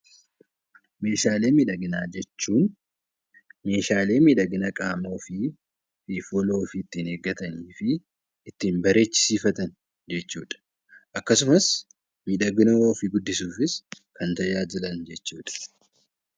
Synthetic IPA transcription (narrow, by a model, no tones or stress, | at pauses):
me̞ːʃaːle̞ːmiᶑɐɡɪnaːd͡ʒɛt͡ʃːuːn | me̞ːʃaːle̞ːmiːᶑɐɡɪnɐkʼaːmoːfɪ | fifolo̞ːfɪːt̪ːiːneːɡɐt̪ɐniːfɪː | t̪ːiːnbɐɾe̞ːt͡ʃːɪ̥siːfɐt̪ɐn | d͡ʒɛt͡ʃːṵːᶑɐ̥ | ʔɐkːɐsʊmɐs | miːᶑɐɡɪnɐwoːfɪɡʊd̪ːɪsuːfɪs | kɐnt̪ɐjaːd͡ʒɪlɐnd͡ʒɛt͡ʃːuːᶑɐ̥